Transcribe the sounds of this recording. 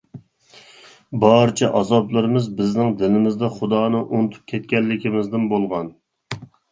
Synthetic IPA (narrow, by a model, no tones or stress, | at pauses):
bɑɾt͡ʃʰɛʔɑzɑblˠɨɾɨmɨzbɪznɪŋd̪ɪlɪmɪzd̪ɛχʊd̪ɑːnɨʔunɨt̪ʰu̥p̚kʲʰɛt̪̚kʲɛlːɪkʲimɪzd̪ɪnbolˠʁɑn